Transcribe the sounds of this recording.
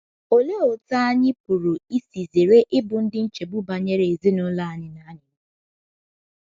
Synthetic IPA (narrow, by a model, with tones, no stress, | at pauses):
o˨le˦o˨ta˦a˦ɲɪ˦pʊ˨ɾʊ˨i˦si˨ze˨ɾe˦ʔɪ˦bʊ˨n̩˦dɪ˦n̩˦t͡ʃe˨bʊ˦ba˨ɲe˦ɾe˨e˨zi˦nʊ˦la˦a˨ɲɪ˨na˦ɲɪ˦